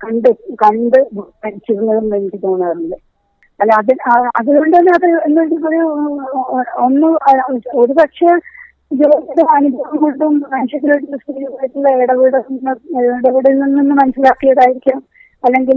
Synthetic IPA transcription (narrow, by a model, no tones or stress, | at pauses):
kɐɳɖɨkɐɳɖɨpɐɾit͡ɕːiunːɐðumɐkːit̪ːoːɳaːrnːɐɖɨ | ɐlːɐðinɐðuɣoɳɖɐlːɨɐðɐenːoɳɖilpoːl | onːɨo̞ɾupɐkʂe | d͡ʑuʋɐːiɽɨmɐnubʱɐʋɐmkoɳɖummɐnɐɕjɐt̪ːiloʈːilːɐspiːɾipɐjit̪ːilːɐeɽɐʋiːɽɐnːɐɽɐʋiːɽɐninːinːɨmɐnɐsilaːkːijɐðaːjiɾikʲːɐɳɐm | ɐlːe̞ŋɡil